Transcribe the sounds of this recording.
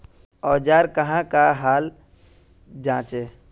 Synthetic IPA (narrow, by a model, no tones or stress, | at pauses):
ɔːd͡ʒaːɾkəɦãkaɦaːl | d͡ʒãːt͡ʃe